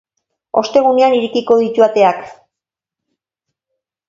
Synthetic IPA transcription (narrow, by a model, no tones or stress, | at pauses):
o̞st̪e̞ɣ̞une̞aniɾikiko̞ð̞it̪uat̪e̞ak